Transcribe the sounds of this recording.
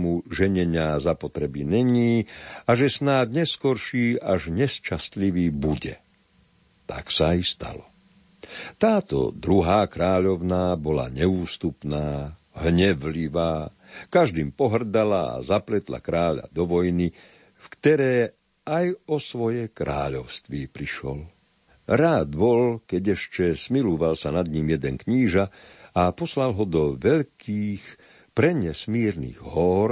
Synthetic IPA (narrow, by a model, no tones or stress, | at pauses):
muʒɛɲɛɲɪazapɔt̪ɾɛbiɲɛɲiːaʒɛsnaːd̪ɲɛskɔɾʃiːaʒɲɛst͡ʃast̪liʋiːbuɟɛ̰ | t̪a̰ksaist̪a̰lɔ | t̪aːt̪ɔ̰d̪ɾuɦaːkɾaːʎɔʊnaːbɔla̰ɲɛuːst̪upnaː | ɦɲɛʋliʋaː | kaʒd̪iːmpɔɦr̩d̪alaa̰zaplɛt̪la̰kɾaːʎa̰d̪ɔʋɔjni | fkt̪ɛɾɛː | ajɔsʋɔjɛkɾa̰ːʎɔʊst̪ʋipɾiʃɔ̰l | ɾaːd̪bɔlkɛɟɛʃt͡ʃɛsmiluʋalsanad̪ɲimjɛd̪ɛnkɲiːʒaapɔslalɦɔd̪ɔʋɛʎkʰiːx | pɾɛɲɛsmiːɾnḭɣɦɔɾ